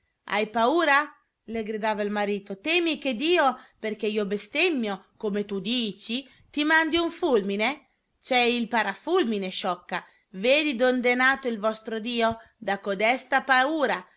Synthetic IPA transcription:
a̰jpauːɾa | leɡɾid̪aːvailmaɾiːt̪ot̪ɛmiked̪iːoperk̟eiobest̪emːjokomet̪ud̪iːt͡ʃi | t̪imand̪iuɱfulmine | t͡ʃɛilpaɾafulmineʃɔkːa | veːd̪id̪ond̪enaːt̪oilvɔst̪ɾod̪iːo | d̪akod̪ɛst̪apauːɾa

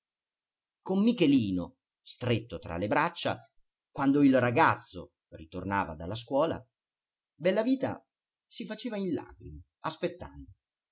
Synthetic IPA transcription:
komːikeliːno | st̪ɾet̪ːot̪ɾa̰lebɾat͡ʃːa̰ | kwand̪oilraɡat̪sːo̰ | rit̪ornaːva̰d̪alːas̬kwɔːla̰ | bɛlːaviːt̪a̰ | sifat͡ʃeːvainla̰ːɡɾima | aspet̪ːand̪o

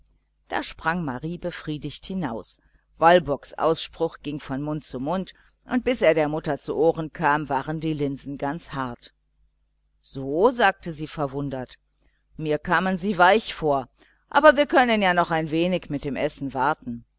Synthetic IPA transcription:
d̥a̰ːʃpʁ̥aŋmaʁiːbəfʁ̥iːdɪçthɪnaʊs | v̥albɔksʔa̰ʊsʃpʁ̥ʊxɡ̥ɪŋfɔnmʊntt͡sumʊnt | ʔʊnt̚b̥ɪsʔeːɐɾeːɐmʊtɐt͡suʔoːʁənkʰaːmvaːʁəndiːlɪnzn̩ɡant͡shaɐt | z̥oːzaːk̚təziːfɛɐvʊndɐt | miːɐkʰaːmənziːvaɪçfoːɐ | ʔaːbɐviːɐkʰœnənjaːnɔχaɪnveːnɪçmɪt̚d̥eːmʔɛsn̩vaɐtn̩

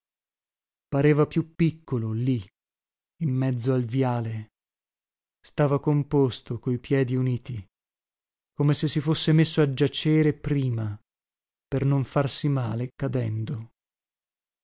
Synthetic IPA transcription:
paɾeːvapjupːikːololiː | mːɛd̪zːoalvjaːle | st̪aːvakompost̪okoipjɛːd̪iuniːt̪i | komesesːifosːemesːoad͡ʒat͡ʃeːɾepɾiːma | pernoɱfarsimaːlekad̪ɛnd̪o

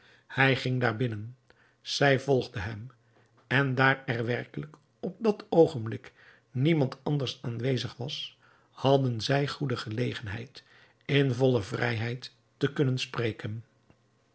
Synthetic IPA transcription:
hɛjχɪŋdaːɹbɪnən | z̥ɛjvɔlˠʁdəɦɛm | ɛndaːɹɛrʋɛrkələk | ɔp̚dɑtowχənblɪk | nimɑntɑndəɹsaːnʋejzəχʋɑs | hɑdənzɛjχudəχəlejχənɦɛ̰jt | ɪnvɔləvrɛ̰jɦɛjtː | əkɵnənspreːkən

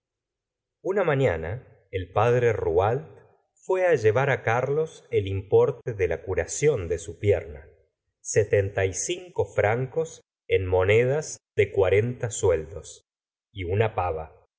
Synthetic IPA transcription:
unamãɲana | elpað̞ɾerualt̪ | fwe̞aʒe̞β̞aɾakaɾlo̞selimpo̞ɾt̪eðelakuɾasjo̞nd̪esupjeɾna | set̪ent̪ajsiŋko̞fɾaŋko̞s | enmo̞neð̞asðekwaɾe̞nt̪asweld̪os | iunapaβa

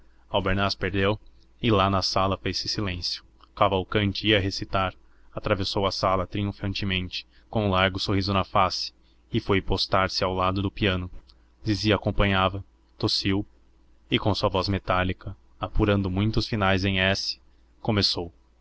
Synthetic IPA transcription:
awbeɾnaspeɾd̪ew | ɪlanɐsalɐfejsɪsilẽsjʊ̥ | kavawkɐ̃nt͡ʃɪiɐɦesit̪aɾ | at̪ɾavesowɐsalɐt̪ɾiũfɐ̃nt͡ʃɪmẽnt͡ʃɪ̥ | kõũlaɾɡʊsohizʊnɐfasɪ̥ | ɪfojpost̪aɾsɪawlad̪ʊd̪ʊpiɐ̃nʊ | d͡ʒɪziɐaːkõmpɐ̃ɲavɐ | t̪osiw | ɪkõsuɐvɔzmet̪alikɐ | apuɾɐ̃nd̪ʊmũj̃t̪ʊsfinajzẽj̃ɛsɪ̥ | komesow

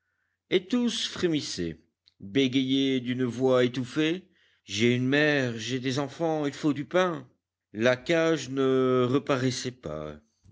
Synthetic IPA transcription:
et̪usfχemisḛ | beɡʲejed̪ynvwaet̪ufe | ʒeynmɛʁʒed̪ezɑ̃fɑ̃ilfod̪ypɛ̃ | lakaʒnəʁəpaʁɛsɛpa̰

